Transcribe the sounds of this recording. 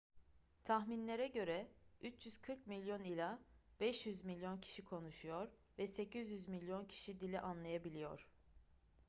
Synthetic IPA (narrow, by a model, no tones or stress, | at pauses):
t̪ʰaxminlʲe̞ɾɛɟø̞ɾɛyt͡ʃʰjyz̥kʰɯɾk̚milʲjo̞nilʲab̥ɛʃjyzmilʲːjo̞ncʰi̥ʃikʰo̞nuʃujo̞ɾ | vɛse̞cʰizjyzmilʲːjo̞ncʰi̥ʃid̪ilʲɛʔanlˠajabilʲijo̞̰ɾ̥